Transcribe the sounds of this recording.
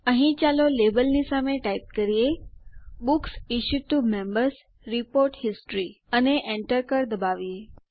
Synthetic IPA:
əɦĩt͡ʃalolebəlnisameʈaip̚kəɾie | bʊksiʃud̚ʈumɛ̃mbəɾs | ɾipoɾʈhɪsʈɾiəneʔẽɳʈəɾkəɾd̪əbaʋie

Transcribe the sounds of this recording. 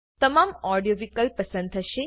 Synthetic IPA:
t̪əmamɔɾɖijoʋikəlpəsə̃nd̪ɦəʃe

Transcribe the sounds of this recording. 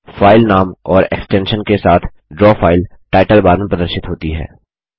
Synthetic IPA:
faːɪlnaːmɔːɾḛksʈɛ̃ːnʃənkesaːt̪ʰ | ɖɾɔːfaːɪlʈaːɪʈəlbaːɾmẽpɾɐd̪əɾʃɪt̪ɦoːt̪iɦɛ̰ː

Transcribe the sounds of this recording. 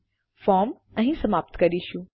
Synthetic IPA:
fɔːɾm | ɛ̃ɦĩsɐmaːp̚t̪kɐɾiʃũ

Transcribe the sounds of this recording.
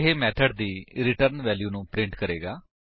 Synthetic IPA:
ɦeːmɛːʈʰəɖd̪iːɾɪʈəɾnʋɛːljuːnũːpɾɪ̃ɳʈkəɾeːɡaː

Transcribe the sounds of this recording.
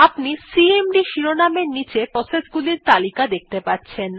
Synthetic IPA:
apnisiemɖiʃiɾonameɾnit͡ɕepɾɔsed͡ʑɡuliɾt̪alikad̪ek̚t̪epatːɕʰen

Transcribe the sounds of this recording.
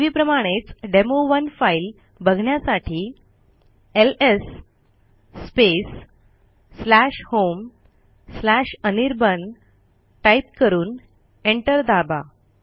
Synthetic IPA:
ʋiːpɾəmãet͡sɖemoʋənfail | bəɡʱɳjasaʈʰiː | elesː | pesː | læɕhom | slæɕəniɾbən | ʈaip̚kəɾuːn | eɳʈəɾd̪aba

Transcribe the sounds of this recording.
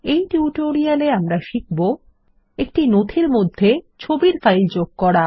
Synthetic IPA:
ejʈuuʈoɾialeamɾaʃik̚bo | ek̚ʈinot̪ʰiɾmod̪ʱːet͡ɕʰobiɾfajld͡ʑoɡ̚kɔɽa

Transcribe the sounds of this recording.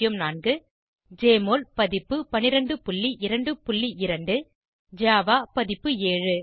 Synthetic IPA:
jɯmnaːnɡɯ | d͡ʒeːmoːlpɐðɪpːɯpɐnɪɾɐɳɖɯpʊɭːiʔɪɾɐɳɖɯpʊɭːiʔɪɾɐɳɖɯ | d͡ʒaːʋaːpɐðɪpːɯeːɻɯ

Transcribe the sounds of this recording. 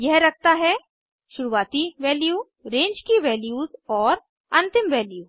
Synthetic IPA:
jɛɦɾɐk̚ʰt̪aɦɛ | ʃʊɾuʋaːt̪iʋɛːljuː | ɾẽːɲd͡ʒkiʋɛːljuːzɔːɾ | ɐ̃nt̪ɪmʋɛːljuː

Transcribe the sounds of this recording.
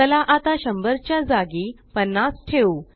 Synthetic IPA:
əlaʔat̪aɕəmbəɾt͡ɕjad͡zaɡiː | pənːasʈʰeu

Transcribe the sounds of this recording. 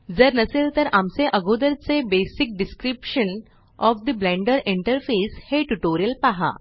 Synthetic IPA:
d͡zəɾnəseːlt̪əɾʔamseʔəɡod̪əɾt͡sebesik̚ɖɪskɾipʃən | ɔfd̪əblɛ̃ɳɖəɾiɳʈəɾfeːsheʈuʈoːɾijəlpaɦa̰

